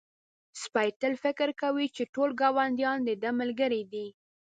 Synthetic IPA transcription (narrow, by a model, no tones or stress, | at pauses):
spɑjt̪əlfɪkɪɾkawit͡ʃeʈolɡɑwand̪jɑnd̪əd̪əməlɡəɾid̪i